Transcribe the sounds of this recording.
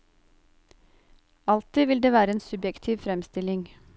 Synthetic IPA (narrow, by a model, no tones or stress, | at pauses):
ɑlt̪iːʋɪld̪eːʋæːɾəeːnsʉbjɛkt̪ʰiːʋfɾɛmst̪ɪlɪŋ